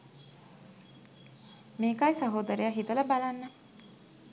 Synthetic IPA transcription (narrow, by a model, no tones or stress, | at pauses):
meːkajsɐɦoːd̪əɾejaɦit̪ələbalanːə